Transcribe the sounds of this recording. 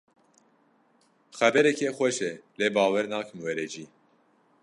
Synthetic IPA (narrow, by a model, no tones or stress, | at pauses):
xɛbɛɾɛkʰɛxʷɛʃɛleːbɑːwɛɾnɑːkʰɨmwɛɾɛd͡ʒiː